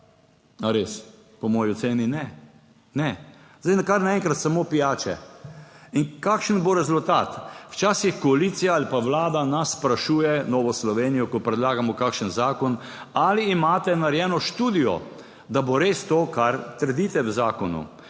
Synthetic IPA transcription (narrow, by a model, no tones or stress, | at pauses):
aɾes | pɔmɔːjiɔseːninɛ | nɛ | zajnakaɾnaɛŋkɾat̪samopijaːt͡ʃɛ̰ | inkakʃənboɾɛzult̪a̰t̪wt͡ʃaːsixkɔaliːt̪sijaalipaʋlaːd̪anasːpɾaʃuːjɛnɔːʋɔslɔʋeːnijɔkɔpɾɛd̪laːɡamɔkaːkʃənzaːkɔn | aliːmaːt̪ɛnaɾjɛːnɔʃt̪uːd̪ijɔ̰ | d̪aboɾeːst̪oːkaɾt̪əɾd̪it̪ɛwzaːkɔnṵ